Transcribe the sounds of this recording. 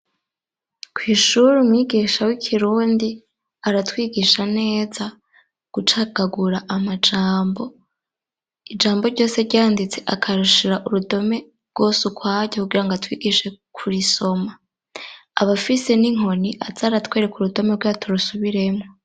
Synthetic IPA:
kwiːʃuɾumwiːɡiːʃawikʰiɾuːndi | aɾatwiːɡiʃane̞ːza | ɡ̥ut͡ʃaɡ̥aɡuɾaʔamad͡ʒaːmbo̞ | id͡ʒaːmbo̞ɾɟo̞ːse̞ɾɟaːndit͡se̞ʔakʰaɾuʃiɾaʔuɾudo̞me̞ | ɾɡ̥o̞ːsukwaːɟokuɡiɾaŋɡatwiːɡiʃe̞kʰuɾiso̞ma | aβafise̞niŋ̥o̞niʔaz̥aːɾatweːɾekuɾudo̞me̞ɾɡwaːtʰuɾusuβiɾe̞mŋo

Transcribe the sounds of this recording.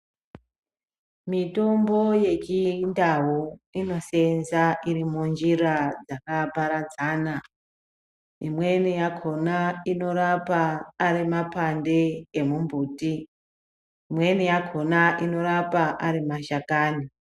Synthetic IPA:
mito̞mbo̞je̞t͡ʃindawoino̞senzaʔirimund͡ʒirad͡zakapaɾad͡zaːna | imwe̞nijakʰo̞naino̞ɾapaːɾimapandeːmumbʱuːti | imwe̞nijakʰo̞naʔino̞ɾapaʔaɾimaʃakaːni

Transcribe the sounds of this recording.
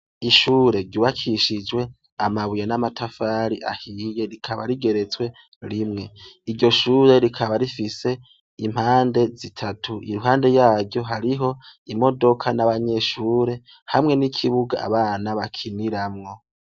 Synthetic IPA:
iʃuːɾe̞ɾɟuβakʰiʃid͡ʒwe̞ | amaβujenamatʰafaɾiʔa̰hije̞ɾikʰaβa̰ɾiɡe̞ɾe̞t͡swe̞ | ɾimŋe̞iɾɟo̞ʃuːɾe̞ɾikʰaβaɾifise̞ | im̥haːnde̞zitʰatʰuḭɾuɦaːnde̞jaːɟɟo̞ɦaɾiɦo̞imo̞do̞kʰanaβaɲe̞ʃuːɾe̞ | hamŋe̞nikʰiβuɡa̰a̰βaːnaβakʰiniɾamŋo̞

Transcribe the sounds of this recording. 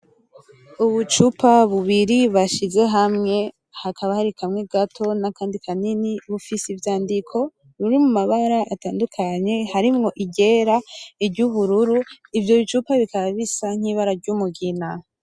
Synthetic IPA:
uβut͡ʃupʰaβuβiɾiβaʃize̞ɦamŋe̞ | hakʰaβahaɾikʰamŋeɡatʰo̞nakaːndikʰaniniβufisivjaːndikʰo̞ | ɾuɾimumaβaɾaʔːtaːndukʰaɲe̞haɾimŋo̞ʔiɟe̞ɾaiɾɟuβuɾuɾu | ivjo̞βit͡ʃupaβikaβaβisaŋ̥hiːβaɾaɾɟumuɡina

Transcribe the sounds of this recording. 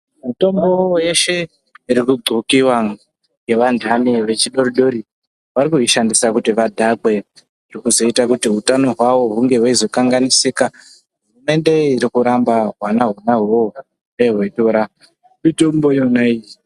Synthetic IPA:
mito̞mbo̞je̞ʃe̞ | iɾikuɡ͡ǀʱukiwa | ŋɡe̞ʋandʱaniʋe̞t͡ʃiɗo̞ɾiɗo̞ɾi | ʋaɾikuiʃandisakutiʋadʱaɡʱwe̞ | irikuzo̞itakutiɦutano̞ɦwawo̞ɦuŋɡe̞waizo̞kaŋɡanisika | ɦɦurume̞nde̞iɾikuɾambaɦwanaɦunaɦo | eɦwe̞toɾa | mito̞mbojonai

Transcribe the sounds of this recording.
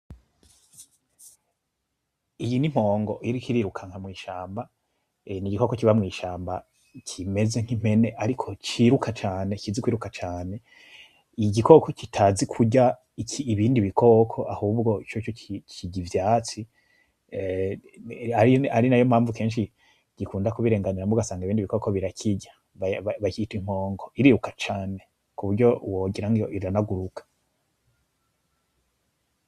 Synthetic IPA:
ijinim̥o̞ːŋɡo̞ʔiɾikiɾiɾukʰaŋ̥hamŋiːʃaːmba | niɟiko̞kokiβamŋiːʃaːmba | cʰime̞ze̞ŋ̥im̥e̞ne̞ʔaɾikʰo̞t͡ʃiːɾukʰat͡ʃaːne̞kizikwiːɾukat͡ʃaːne̞ | iɟikʰo̞ko̞citʰazikʰuɟa | ikʰiːβiːndiβikʰo̞ːkʰo̞ʔahuːbɡo̞it͡ʃot͡ʃociɟivjaːt͡si | aɾiaɾinajomhaːɱvuke̞ːnʃ̬i | ɟ̥ikuːndakuβiɾe̞ːŋɡaniɾamuɡasaːŋɡaiβiːndiβikoko̞βiɾakʰiɟḁ | βaβaβakitwim̥ho̞ːŋɡo̞iɾiɾukat͡ʃaːne̞ | kuβuɾɟo̞woːɡiɾaŋɡijoʔianaɡuɾukʰḁ

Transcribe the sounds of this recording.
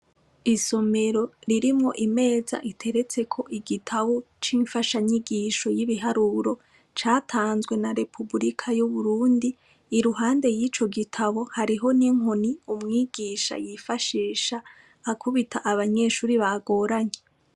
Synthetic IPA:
iso̞me̞ɾo̞ɾiɾimŋo̞ʔime̞ːza̰ʔitʰe̞ɾe̞t͡se̞kʰo̞ʔiɡitʰaβo̞ | t͡ʃiːɱfaʃaɲiɡiːʃo̞jiβiɦaɾuɾo̞ | t͡ʃaːtʰaːnzɡwe̞naɾe̞pʰubuɾikʰajuβuɾuːndiː | ɾuɦaːnde̞jiːt͡ʃo̞ɡitʰaβo̞haɾiɦo̞niŋoniumŋiːɡiːʃa̰jifaʃiːʃaː | kʰuβitʰaʔaβaɲe̞ːʃuːɾiβaɡo̞ːɾaɲe

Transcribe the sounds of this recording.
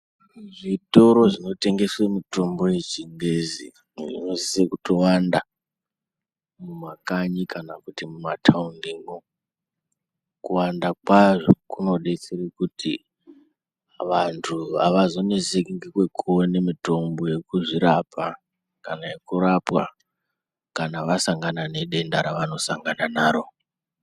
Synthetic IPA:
ʐito̞ɾo̞ʐino̞te̞ŋɡe̞swemito̞mbo̞je̞t͡ʃiŋɡezḭ | ʐḭno̞zisekuto̞wanda | mumakaɲikʰanakutimumatʰaundiŋɡo | kuwandakwaʐokuno̞ɗet͡serekuti | ʋantʰua̰ʋazo̞ne̞zisekiŋɡekwe̞kuwone̞mito̞mbo̞je̞kuʐiɾapʰa | kanaje̞kuɾapwa̰ | kanaʋasaŋɡanane̞ɗe̞ndaɾaʋano̞saŋɡananaːɾo̞

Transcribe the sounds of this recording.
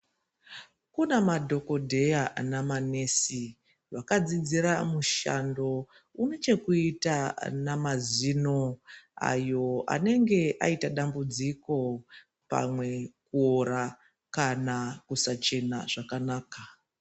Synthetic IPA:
kunemadʱo̞ko̞dʱe̞janamane̞si | rwakad͡zid͡ziɾamuʃa̰ndo̞ | uno̞t͡ʃe̞kuitanamazinoa̰jo̞a̰ne̞ŋɡe̞ʔa̰itaɗambud͡ziko̞ | pa̰mwe̞kuoɾa | kanakusat͡ʃe̞naʐ̥akanaːka

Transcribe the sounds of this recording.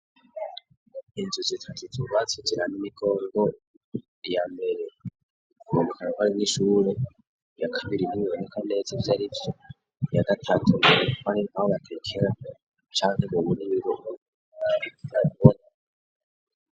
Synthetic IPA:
inzuzitʰatit͡suɾwat͡sid͡ʒiɾanimikʰo̞ːɾɡo | jaːmbe̞ɾe | kuβondekʰanakaɾiniʃuɾe | jakʰaβiɾinimiβonekane̞zevjaɾivjo | jaɡatʰatʰuneɾeukaninahoβatʰekʰeɾa | t͡ʃaːŋheβoβuniβiɾo | aiaβuβona

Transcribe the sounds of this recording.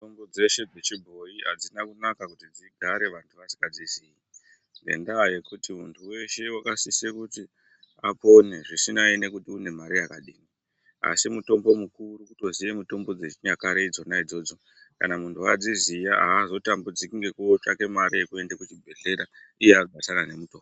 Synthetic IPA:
tombod͡ze̞ʃe̞d͡zet͡ʃibʱo̞jiɦa̰d͡zinakunakakutid͡ziɡʱaɾe̞ʋantʰuʋati̥kad͡ziziji | ŋɡe̞̰ndaje̞kutimuntʰuwe̞ʃe̞wakasisekuti | apo̞ne̞ʐisinaine̞kutiune̞maɾijakaɗiːni | a̰simuto̞mbo̞mukurukuto̞zijemuto̞mbo̞d͡zet͡ʃɲakaɾeid͡zo̞naid͡zo̞d͡zo̞ | ka̰namuntʰuad͡zizijaazo̞tambud͡zikiŋɡe̞kuːt͡ʃake̞maɾije̞kue̞ndekut͡ʃibʱe̞ɮe̞ɾaijeaɡʱatanane̞muto̞bo

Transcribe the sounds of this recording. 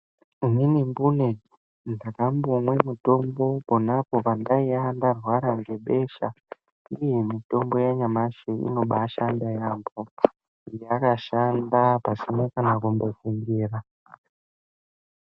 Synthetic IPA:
ininimbune | ndakambomwe̞mito̞mbo̞ponapo̞pandaiandarwaɾaŋɡe̞ɓe̞ʃa̰ | ije̞mito̞mbo̞jaɲamaʃeḭno̞ɓaʃandajambo | ijeakaʃandapasimokanakumbo̞fuŋɡiːra

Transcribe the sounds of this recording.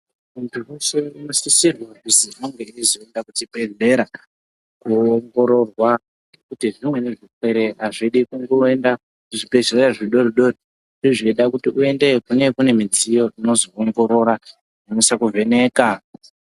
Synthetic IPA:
untʰuuseinosisirwakuziʔoŋɡeizoendakutibe̞ɮe̞ɾa | kuoŋɡo̞ɾo̞rwa | kutiʐimwe̞ne̞ʐikwe̞ɾe̞ɦaʐiɗikuŋɡoenda | uʐibeɮereɾaʐiɗoɾiɗo̞ri | ʐ̥iʐiiɗakutiʔue̞nde̞kune̞kune̞mid͡zijo̞ino̞zooŋɡo̞ɾo̞ɾa | nemusakuvʱe̞ne̞ːka

